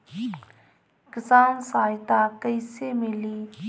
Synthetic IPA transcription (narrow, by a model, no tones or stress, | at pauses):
kɪsaːnsaːjt̪aːkəjsemɪliː